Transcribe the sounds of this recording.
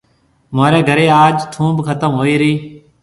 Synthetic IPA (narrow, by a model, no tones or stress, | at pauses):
maːɾeːɡʱəɾeːaːd͡ʒʈʰũːbkʰət̪əmɦoːiːɾəiː